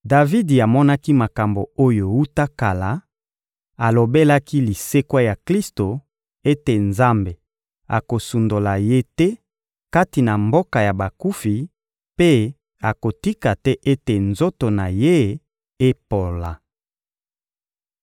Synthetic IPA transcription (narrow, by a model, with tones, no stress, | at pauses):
da˨vi˦di˨a˨mɔ˦na˦ki˦ma˨ka˨mbo˨o˦jo˨wu˦ta˦ka˨la˨ | a˨lo˨be˦la˦ki˦li˨se˦kwa˦ja˨kli˦sto˨ | e˦te˨nza˦mbe˨ | a̰˨ko˨su˨ndo˨la˨je˦tɛ˦ | ka˦ti˨na˨mbo˦ka˨ja˨ba˨ku˦fi˨ | pe˦ | a˨ko˨ti˦ka˨tɛ˦ʔe˦te˨nzo˦to˨na˨je˦ | e˦po˨la˨